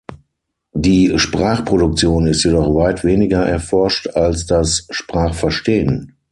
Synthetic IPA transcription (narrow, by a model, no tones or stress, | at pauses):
diːʃpʁ̥aːχpʁ̥odʊk̚t͡sjoːnɪstjedɔχvaɪtv̥eːnɪɡɐʔɛɐfɔɐʃtalsd̥asʃpʁ̥aːχfɛɐʃteːən